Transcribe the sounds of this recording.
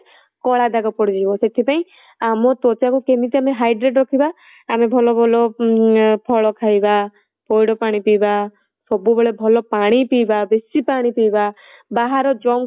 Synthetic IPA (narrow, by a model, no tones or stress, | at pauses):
kɔɭad̪aɡɔpɔɽid͡ʒibɔset̪ʰipaĩ | amɔt̪ɔt͡ʃakukemit̪iameɦajɖɾeʈɾɔkʰibaː | mebʱɔlɔbʱɔlɔ | pʰɔɭɔkʰajba | pɔjɽɔpaɽ̃ipiba | sɔbubeɭebʱɔlɔpaɽ̃ipibabesipaɽ̃ipiba | baɦaɾɔd͡ʒɔm